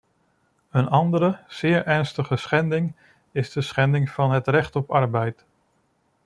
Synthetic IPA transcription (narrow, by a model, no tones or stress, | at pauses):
ənɑndəɾəz̥ɪːɹʔɛɹnstəχəsχɛndɪŋ | ɪzdəsχɛndɪŋvɑnɦətrɛχtɔpɑɹbɛjt